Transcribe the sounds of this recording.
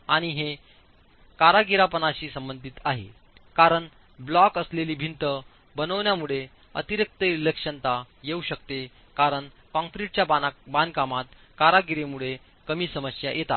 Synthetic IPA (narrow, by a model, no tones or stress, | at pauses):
aɽ̃iɦe | kaɾaɡiɾapənaɕiːsəmbənd̪ʱit̪aɦḛ | kaɾəɳ | blɔkəsleliːbʱint̪ə | bənəʋnjamuɭe | ə̰t̪iɾək̚t̪əilekʂənt̪a | jeuɕək̚t̪e | kaɾəɳ | kɔ̃ŋfɾiʈ̚t͡ɕjabankamat̪ | kaɾaɡiɾemuɭe | kəmiːsəməsja̰jʔet̪a̰t̪